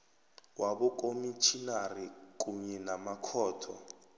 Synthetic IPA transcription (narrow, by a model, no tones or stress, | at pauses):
waɓɔkʼomit͡ʃʰinarikuɲɛnamakʰɔːtʰɔ